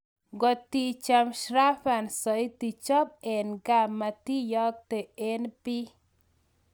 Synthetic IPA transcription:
ɡɔ˨t̪i˦t͡ʃa˧mʃɾa˦fa˨nsɔ˨i˦t̪i˨t͡ʃɔ˦b̚e˨nɡa˨mːa˨t̪i˦jɔ˦k̚t̪e˨e˦npi˦

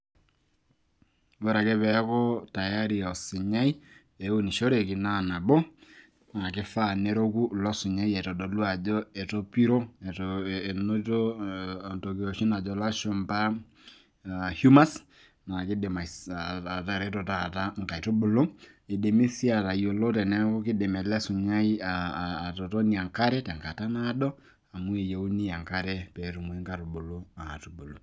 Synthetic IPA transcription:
bo˦ɾa˨ke˦pɛ˨˦kɔ˦ta˨ja˦ɾi˨ɔ˨si˨ɲa˦i˦ | e˨o˦ni˨ʃo˦ɾe˨ki˨na˦˨na˨bo˦ | na˨kɪ˦fa˦˨ne˦ɾo˦ku˦lɔ˦si˨ɲa˦ie˨to˨do˨lwa˨d͡ʒo˦e˨to˦pi˦ɾo˦˨tːno˦to˦˨ | to˨kio˨ʃi˦na˨d͡ʒo˨la˦ʃo˨mpa˦˨ | hju˦ma˦s | na˨ki˦de˨ma˨aa˨ta˨ɾɛ˨˦to˨ta˨ta˦ŋɡa˨i˨to˦bo˨lo˦ | e˨de˨me˦si˦a˨ta˨jo˨lo˦tɛ˨nɛ˦ko˦ki˦de˨mɛ˨lɛ˦su˨ɲa˦i˦aː˨to˨to˦ni˨a˨ŋka˦ɾɛ˦ta˨ŋka˨ta˦na˦dɔ˦ | a˨mu˦e˨jo˨u˦ni˦ja˨ŋka˦ɾe˦pɛ˨˦tu˨mwe˦ŋka˦ɾo˨bo˨lo˦a˨tu˨bo˨lo˨

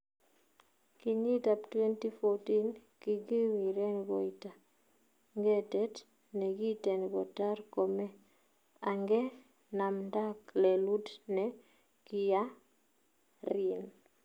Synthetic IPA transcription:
ki˨ɲi˦ta˨ptwɛ˦nti˦foti˦nki˨ɡi˦wi˨ɾɛ˦nɡo˨i˨ta˨ | ŋɡɛ˦tɛ˦t | nɛ˨ɡi˦tɛ˨nɡɔ˨ta˦ɾko˨mɛ˦ | a˨ŋɡɛ˦ | na˨mda˦klɛ˨lu˦dnɛ | ki˨ja˦ | ɾi˨n

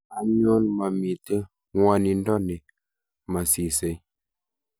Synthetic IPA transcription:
a˨ɲo˦nma˨mi˨tə˦ | ŋwa˨ni˨n˦dɔ˦ne˨ | ma˨si˨se˨˦j

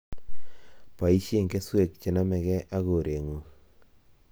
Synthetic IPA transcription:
pa˨i˦ʃje˦˨ŋke˦swe˨k̚t͡ʃe˨na˦mɛ˨kɛ˦ʔa˦ɣo˨ɾʔe˨ŋo˨

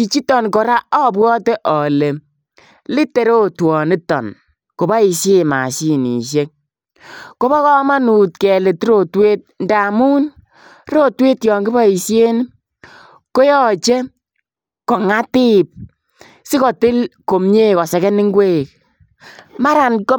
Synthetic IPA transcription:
t͡ʃi˨t͡ʃi˦tɔ˨nkɔ˨ɾa˦ɔ˦˨bwɔ˦te˦ʔɔ˨le˨ | lɪ˦te˨ɾo˦twɔ˨ni˦tɔ̰˨n | ko˨ba˦i˨sje˦ma̰˨si˦nḭ˨ʃje˦k̚ | ko˦bɔ˦kɔ˦ma˦nu˨tkɛ˨le˨ti˦ɾo˨tweː˦t̚nda˨mu˦n | ɾo˦tweː˦tjɔː˨ŋɡɪ˦ba˦i˨sje˦ni˦ | ko˦jɔ˦˨t͡ʃe˦ | kɔ˨ŋa˦tɪ˦˨p̚ | sɪ˦kɔ˨tɪ˦lko˨m˦ɲe˦kɔ˨sɛ˨kɛ˦nɪ˦ŋɡwe˦˨k̚ | ma˦ɾa˨nko˦

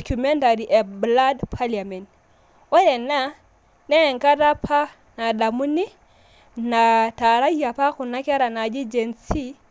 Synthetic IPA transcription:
ku˨mɛ˦nta˨ɾi˨ʔɛ˨bla˦dpʰa˦lia˨mɛ˨nt | wɔ˦ɾɛ˨na˦ | nɛ˦˨ŋka˦ta˦pʰa˦ | na˨da˨mu˦ni˦ | na˨ta˨ɾa˦ja˨pa˦ku˨na˦kɛ˦ɾa˨na˨d͡ʒi˦d͡ʒɛ˨nsi˦

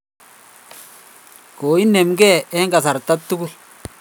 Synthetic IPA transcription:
koː˨i˦nːe˨mɡɛ˦˨ɛ˦ŋɡa˨sa˨ɾt̪ːa˦t̪ːu˦ɡu˦l

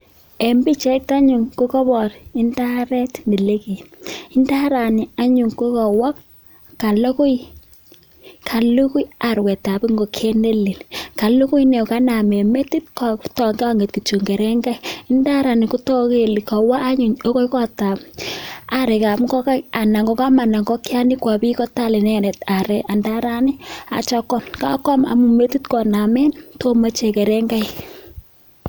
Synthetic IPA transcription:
e˨mbi˦t͡ʃɛ˦k̚ta˦ɲu˨ŋko˦kɔ˦bɔ˨ɾɪ˦nda˦ɾɛ˦tndi˨le˦ki˨nɪ˦nda˦ɾa˨nɪ˨a˦ɲu˨ŋko˦kɔ˨wa˦p̚ | ka˨lo˦ku˦j | kʰa˨lu˦ku˦ja˨ɾwɛ˨ta˨pi˦ŋɡo˨kʰe˦ne˦li˨lka˨lu˦ku˦jnɛ˨ka˦na˨me˨me˦ti˦t̚ktɔ˨ŋɡɔ˦ŋɡe˨t̚ku˨t͡ʃu˨ŋɡe˨ɾɛ˦ŋɡa˦ɪ˦nda˦ɾa˨nɪ˨ku˦tɔ˦ke˨li˨kɔ˨waː˦ɲu˨ɲo˦ko˦ikɔ˦ta˨p | a˦ɾɛ˨ka˨pŋɡɔ˦ka˦a˨na˨ŋɡɔ˨ka˦ma˨na˨ŋɡɔ˦kja˦ni˦kwa˨bi˦kɔ˦ta˦le˨nɛ˦nɛ˨ta˨ɾɛ˨ʔa˨nda˦ɾa˦nɪ˦a̰˨t͡ʃa˦kɔ˦mka̰˦kɔ˦ma̰˨mu˨me˦tu˦tkɔ˨na˨mɛ˦nto˦ma˦t͡ʃe˨kɛ˨ɾɛ˦ŋɡa˦j

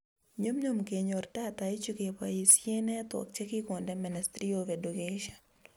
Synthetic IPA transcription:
ɲo˦mɲo˨mke˨ɲo˨rta˦t̪ai˦t͡ʃu˦ke˨pai˨sje˦nɛ˦t̪wɔ̰˨k̚t͡ʃɛ˦ki˦ko˨ndɛmɛnɛstɾiovedu˨keʃɔn

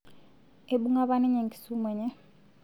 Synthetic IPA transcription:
e˨ɓu˦ŋa˦βa˦ni˦ɲe˨ŋɡi̥˨su˦mwɛ˨ɲɛ˦

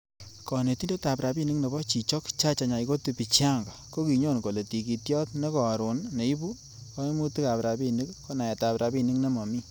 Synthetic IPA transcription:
kɔ˨ne˨ti˦nde˦ta˨pɾa˨bi˦˨ni˦kne˨bɔ˦t͡ʃi˨t͡ʃɔ˦kt͡ʃa˦t͡ʃa˨ɲa˨i˨ko˦ti˨pi˨t͡ʃja˦˨ŋɡa˨ko˦ki˨ɲo˦˨nko˨le˨ti˨k̬i˨tjɔ˦tne˦kɔ˨ɾʊ˨nne˨i˦bu˦ | kɔ˦i˦mu˦ti˦ka˨pɾa˨bi˦ni˦kko˦na˨ɛ˨ta˨pɾʔa˨bi˦ni˦kne˦mɔ˨mi˦

